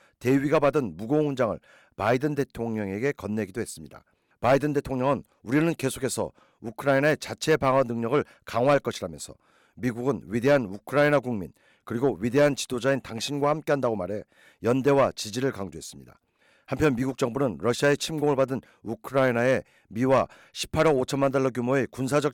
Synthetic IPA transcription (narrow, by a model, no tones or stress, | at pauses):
te̞ɥiɡabadɯnmuɡoŋhund͡ʑaŋɯ̰ɭ | paidɯnde̞tʰoŋɲʌŋe̞ɡe̞kʌnːe̞ɡidoɦe̞s͈ɯmɲida̰ | paidɯnde̞tʰoŋɲʌŋɯn | uɾinɯnke̞sʰo̥kʰe̞sʰʌ̰ | ukʰɯɾainae̞t͡ɕat͡ɕʰe̞paŋʌnɯŋɲʌɡɯɭ | kaŋwaɦaɭk͈ʌɕʰiɾamjʌnsʰʌ | miɡuɡɯnɥide̞ɦanukʰɯɾainaɡuŋmḭn | kɯɾiɡoɥide̞ɦant͡ɕi̥dod͡ʑaintaŋɕʰinɡwahamk͈e̞ɦandaɡomaɾe̞ | jʌnde̞wat͡ɕid͡ʑiɾɯɭkaŋd͡ʑoɦe̞s͈ɯmɲida̰ | hampʰjʌnmiɡuk̚t͡ɕ͈ʌŋbunɯnɾʌɕʰiae̞t͡ɕʰimɡoŋɯɭbadɯn | ukʰɯɾainae̞ | miwa | ɕʰi̥pʰaɾʌɡot͡ɕʰʌnmandaɭːʌk̬jumoe̞kunsʰad͡ʑʌk̚